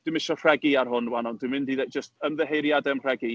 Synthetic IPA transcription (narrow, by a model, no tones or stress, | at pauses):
d̥wɨmɪʃɔrrɛɡiarɦʊnwanɔndwɨmɪndiðed͡ʒəstəmðəɦejɾjadɛmr̥ɛɡi